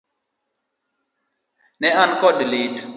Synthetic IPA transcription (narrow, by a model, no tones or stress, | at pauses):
nɛankɔdlit